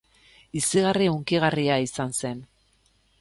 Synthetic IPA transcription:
isiɣariuŋkiɣariaisanse̞n

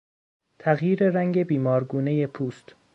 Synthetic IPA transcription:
t̪ʰæɣjiːɾeɾæŋɟebiːmɒːɾɡuːneje̞pʰuːst̪

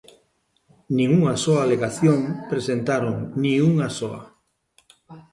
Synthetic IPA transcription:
nĩŋuŋasoaleɣaθjoŋpɾesent̪aɾoŋnĩŋuŋasoa̰

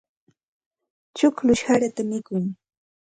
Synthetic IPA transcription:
t͡ʃʊklʊʃhaɾat̪amɪkʊŋ

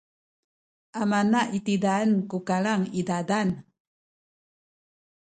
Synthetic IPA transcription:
ʔamanaʔit̪idaənkukalaŋidadan

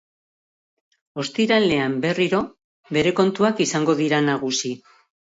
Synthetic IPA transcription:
o̞st̪iɾale̞ambe̞riɾo̞ | βe̞ɾe̞ko̞nt̪uakisaŋɡo̞ðiɾanaɣ̞usi

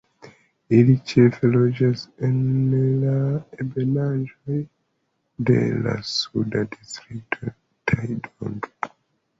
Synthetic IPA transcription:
ilit͡ʃefelod͡ʒasenlaebenad͡ʒoj | dḛla̰sudadistɾik̚tʰo | tʰajdo̰ŋɡ

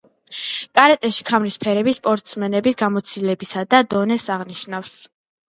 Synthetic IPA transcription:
kʼaɾɛt̪ʼɛʃi̥kʰamɾispʰɛɾɛbispʼɔɾt̪ʼsmɛnɛbisɡamɔt̪sʰilɛbisad̪ad̪ɔnɛsaʁniʃnafs

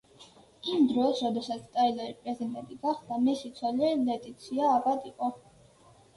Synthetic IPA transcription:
imd̪ɾɔsɾɔd̪ɛsat̪sʰt̪ʼailaɾipʼɾɛzid̪ɛnt̪ʼiɡaχd̪amɛsit̪sʰwalɛlɛt̪ʼit̪sʰiaːbat̪ʼiqʼɔ

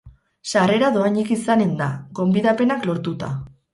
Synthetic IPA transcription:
sare̞ɾaðo̞aɲikisane̞nd̪aɡo̞mbiðape̞naklo̞ɾt̪ut̪a̰

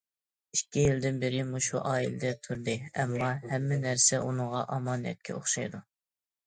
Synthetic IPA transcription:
ikʲːijild̪ɪnbɪɾɪmuʃuʔɑːilɪd̪ɛt̪ʰuɾd̪ɨɛmːɑhɛmːɪnæɾsɛʔunɨŋʁɑ̰ʔɑmɑːnɛ̰t̪̚kʲʰɛ̰o̰χʃɑjd̪u

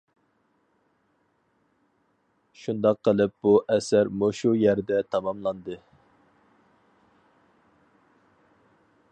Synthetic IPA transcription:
ʃund̪ɑqʰːəlˠɨp̚b̥uʔɛsæɾmoʃujæɾd̪ɛt̪ʰɑmɑmlˠɑnd̪ɨ

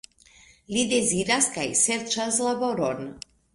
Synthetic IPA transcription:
lid̪eziɾaskajsɛɾt͡ʃaslaboɾon

